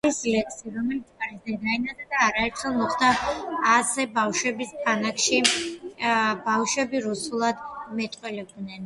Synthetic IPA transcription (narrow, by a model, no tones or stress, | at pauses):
aɾisilɛkʰsiaɾɔmɛlit̪sʰʼaɾisd̪ɛd̪aɛnad̪ad̪aːɾaɛɾt̪ʰχɛlˠmɔχd̪aː | sɛbafʃwɛbispʰanakʰʃi | bafʃwɛbiɾusulˠad̪mɛt̪ʼqʼwɛlɛb̚d̪nɛn